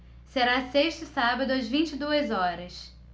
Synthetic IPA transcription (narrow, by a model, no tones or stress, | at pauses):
seɾaseʃt̪ʊsabɐd̪ʊɐzvĩt͡ʃɪd̪uɐzɔɾɐs